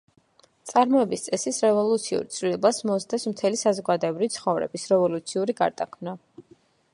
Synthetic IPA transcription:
t̪sʼaɾmɔɛbist̪sʼɛsisɾɛvɔlˠut̪sʰiṵɾt̪sʰvlilɛbasmɔzd̪ɛsmt̪ʰɛlisazɔɡad̪ɔɛbɾiit̪sʰχɔvɾɛ̰bisɾɛvɔlut̪sʰiuɾiɡa̰ɾd̪akʰmna

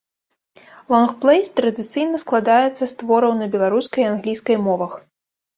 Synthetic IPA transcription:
lˠɔnxplˠɛjst̪ɾɐd̪ɨt̪sɨjnɐsklˠad̪ajɛt̪sːɐst̪vɔɾɐwnɐbʲɛlˠaɾuskɐjanɣlʲijskɐjmɔvɐx

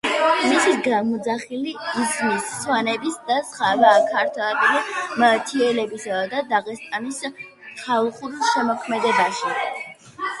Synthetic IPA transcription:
misiɡamɔd̪zaχiliːzmisːwanɛbisd̪asχavaːkʰaɾt̪ʰwɛɛbilimət̪ʰiɛlɛbisad̪ad̪aʁɛst̪ʼanis | kʰalˠχuɾʃɛmɔkʰmɛd̪ɛbaʃi

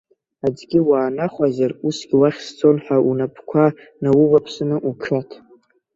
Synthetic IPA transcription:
ad͡ʒɡʲiwaːnaχʷazarusɡʲɪwaχʲst͡sʰo̞nħaʔunapʰkʷʰa | nawʊvapʰsɨnɨʔukʰatʰ

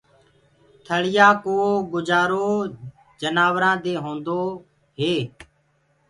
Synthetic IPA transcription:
t̪ʰəɭɪjaːkoːɡʊd͡ʒaːɾoː | d͡ʒənaːʋɾãːd̪eːɦõːnd̪oː | ɦeː

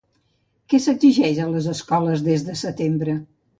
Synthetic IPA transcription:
kɛsəɡziʒɛʃələzəskɔləzðezðəsət̪embɾə

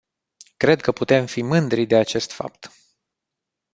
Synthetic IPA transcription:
kɾe̞d̪̚kəput̪e̞mfimɨnd̪ɾid̪e̞at͡ʃe̞st̪fa̰p̚t̪

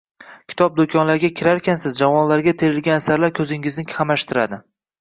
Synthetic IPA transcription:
kʲʰɪ̥t̪ʰɒp̚d̪okʰɒnlaɾɡʲakʲʰɪɾaɾkʲansɪzd͡ʒavɒnlaɾɡʲat̪ʰeɾɪlɡʲanasaɾlaɾkʲʰɵzɪŋɪznɪkʲʰamaʃt̪ʰɪɾad̪ɪ

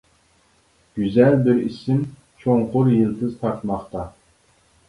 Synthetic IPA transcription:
ɡ̥ʲyzɛlbɪɾisɪm | t͡ʃʰoŋqʊɾjɨlˠd̪ɨzt̪ʰɑɾt̪mɑχt̪ɑ

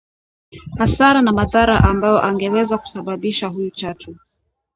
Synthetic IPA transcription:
hasaɾanamaðaɾa̰ʔambajɔʔaŋɡɛwɛzaku̥saɓaɓiʃaɦujut͡ʃatʰu

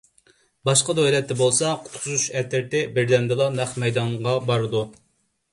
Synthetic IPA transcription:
bɑʃqɑd̪ojlˠɛt̪ːɛbolˠsɑqʰʊ̥t̪qʰʊzuʃɛt̪ʰɪɾt̪ɪbɪɾd̪ɛnd̪ɨlˠɑnæχmɛjd̪ɑɴʁɑbɑɾɨd̪u

